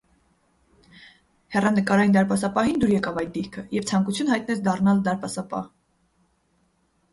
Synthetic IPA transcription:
hɛrɑnəkɑɾɑjind̪ɑɾpɑsɑpɑɦind̪uɾjɛkɑvɑjt̪̚d̪iɾkʰəjɛvt͡sʰɑŋkut͡sʰunhɑjt̪̚nɛt͡sʰd̪ɑrnɑld̪ɑɾpɑsɑpɑ̰h

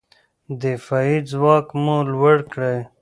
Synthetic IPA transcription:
d̪efɑːid͡zwɑːkmõlwəɽkɽe

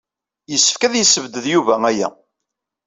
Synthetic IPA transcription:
jəsːəfkæðjəsːəvd̪əðjuvææjæ̰

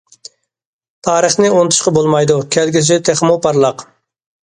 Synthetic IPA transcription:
t̪ʰɑːɾəχnɪont̪ʰu̥ʃqɑbolˠmɑjd̪ukʲʰɛlɡʲiɪt̪ʰeχmupʰɑɾlˠɑq

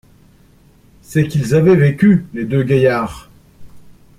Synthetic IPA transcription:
sɛkilzavɛvekʲyled̪øɡʲajaːʁ

